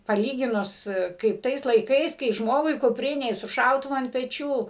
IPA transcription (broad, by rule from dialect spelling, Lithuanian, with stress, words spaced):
pɐˈlʲiːɡʲɪnʊs kɐɪp ˈtɐɪs lˠɐɪˈkɐɪs kɐɪ ˈʒmoːɡʊɪ kʊˈpʲrʲɪnʲɛ ɪ sʊ ˈʃɐʊtʊʋʊ ɐnt pʲɛˈt͡ʃʲuː